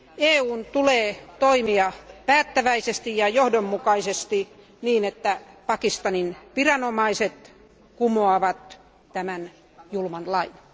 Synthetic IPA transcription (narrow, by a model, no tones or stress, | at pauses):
eːuːnt̪uleːt̪oimiɑpæːt̪ːæʋæisest̪ijjɑjohdomːukɑisest̪i | niːnet̪ːæpɑkist̪ɑninʋirɑnomɑiset̪ | kumoɑʋɑt̪ | t̪æmæn | julmɑnlɑin